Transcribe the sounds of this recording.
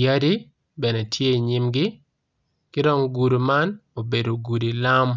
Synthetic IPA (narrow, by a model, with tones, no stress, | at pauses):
ja˦di˦ | bɛ˨nɛ˨tʰje˦i˨ɲi˦mɡɪ˦ | kɪ˦dɔ˦ŋɡu˨du˨ma˦no˨be˨do˨ɡu˨di˨la˦m